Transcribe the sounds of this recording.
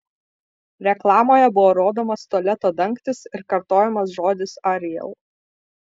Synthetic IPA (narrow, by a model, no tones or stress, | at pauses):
ɾʲɛklˠɑːmoːjɛbʊʋoːɾoːd̪oːmɐst̪oɔlʲɛt̪oːd̪ɐŋkt̪ʲɪsɪɾkɐɾt̪oːjɛmɐsʒoːd̪ʲɪsɐɾʲɪjɛ̰lˠ